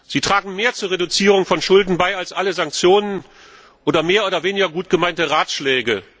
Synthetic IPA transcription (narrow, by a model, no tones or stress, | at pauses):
z̥iːtʁ̥aːɡŋ̩meːɐt͡suːɐʁedut͡siːʁʊŋfɔnʃʊldn̩baɪalsʔaləzaŋk̚t͡sjoːnən | ʔoːdɐmeːɐʔoːdɐveːnɪɡɐɡuːt̚ɡ̥əmaɪntəʁaːtʃlɛːɡə